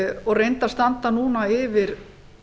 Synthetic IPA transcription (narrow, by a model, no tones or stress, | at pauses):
ɔɣrejnt̪ast̪ant̪anuːnaɪvɪɾ̥